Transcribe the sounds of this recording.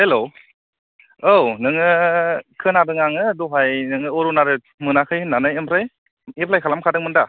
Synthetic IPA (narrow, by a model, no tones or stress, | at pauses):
helo | ownɯŋɯkʰɯnadɯŋaŋɯdɔɦajnɯŋɯoɾunaɾɯ | mɯnakʰɯjnanajempʰɾaj | epʰlajkʰalamkʰadɯŋmɯnda